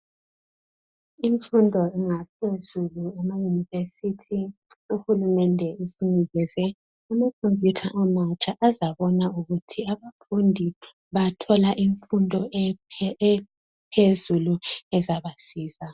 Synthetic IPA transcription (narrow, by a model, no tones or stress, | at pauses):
iɱfundʱɔɛŋap̚ʰezuluamajunivesitʰiuxulumɛndʱɛusiŋiɣɛzɛ | amakʰompjutʰaʔamat͡ʃʼaʔazaβɔnauɣutʰiaβafundʱi | βatʰɔlaʔiɱfundʱɔ | pʰezuluɛzaβasiːza